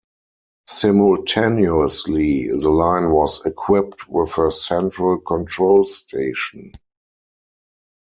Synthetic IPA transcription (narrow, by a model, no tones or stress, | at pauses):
sɪ̃mɔltʰenəsliðəlãɪ̃nwɔsɛkʰwɪp̚twɪðəsɛ̃ntɹəlkʰɔ̃ntʰɹoʊlstʰeɪʃɔ̃n